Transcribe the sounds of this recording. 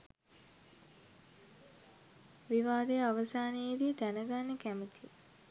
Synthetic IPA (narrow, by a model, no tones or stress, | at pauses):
ʋiʋaːd̪əjaʋəsaːnejed̪iːt̪ænəɡanːəkæmət̪ʰi